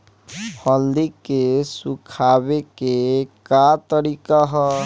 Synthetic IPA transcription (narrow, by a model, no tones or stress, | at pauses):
pʰɔnd̪ikesukʰabekekat̪ɔɾikaɦɔ